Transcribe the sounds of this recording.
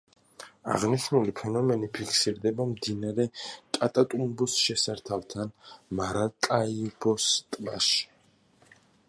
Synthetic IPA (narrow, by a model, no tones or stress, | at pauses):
a̰ʁniʃnulipʰɛnɔmɛnipʰikʰsiɾd̪ɛbamd̪inaɾɛkʼat̪ʼat̪ʼumbusʃɛsaɾt̪ʰalˠt̪ʰanmaɾakʼaibɔst̪ʼmaʃi̥